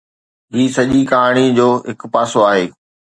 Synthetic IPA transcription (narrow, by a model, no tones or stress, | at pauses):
ɦiːsɐʄikaaːɽ̃id͡ʑoːɦɪkpaːsoaːɦeː